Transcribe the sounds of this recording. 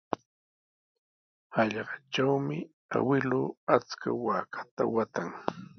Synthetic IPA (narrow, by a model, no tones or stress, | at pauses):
hɑʎɢɑʈ͡ʂawmɪ | a̰wɪlʊat͡ska̰waːkʰḁt̪awat̪aŋ